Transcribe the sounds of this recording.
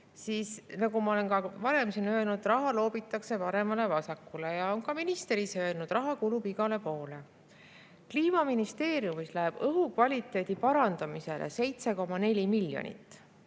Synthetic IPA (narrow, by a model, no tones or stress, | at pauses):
siːsnɑɡumɑo̞le̞nkɑvɑɾe̞msinø̞elnud̪̥rɑɦɑlo̞ːbit̪ːˑɑkse̞pɑɾe̞mɑle̞vɑsɑkːule̞jɑo̞nkɑminist̪ɾisø̞e̞lnud̪̥rɑɦɑkulubiɡ̥ɑle̞po̞ːle̞ | kliːmɑminist̪e̞ːrjumislæɦeb̥ɤɦukvɑlʲit̪ːˑe̞ːd̪̥ipɑɾɑnd̪ɑmise̞lʔḛse̞jt̪se̞ko̞mɑne̞lʲimiljo̰nʲḭt̪ːˑ